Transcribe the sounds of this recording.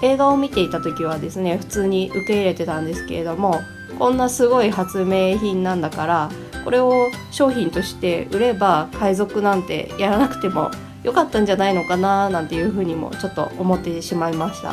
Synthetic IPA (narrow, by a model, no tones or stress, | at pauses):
e̞ːzaːmʲit̪e̞it̪at̪o̞kʲiβ̞ad̪e̞sɨne̞ɸɯ̟̥t͡sɨːɲ̟iʔɯ̟ke̞iɾe̞t̪e̞t̪ãnd̪e̞sɨ̥ke̞ɾe̞d̪o̞mo̞ | kõ̞nːasɨɡo̞iɦat͡sɨme̞ːçĩnːãnd̪akaɾa | ko̞ɾe̞o̞ɕo̞ːçĩnt̪o̞ɕi̥t̪e̞ɯ̟ɾe̞bakaizo̞kɯ̟nãnt̪e̞̰jaɾanakɯ̟̥t̪e̞mo̞̰ | jo̞kat̪ːãɲ̟d͡ʑanaino̞kananãnt̪e̞jɯ̟ːɸɯ̟ːɲ̟imo̰t͡ɕo̞t̪ːo̞omo̞t̪ːe̞ɕimaimaɕi̥t̪a̰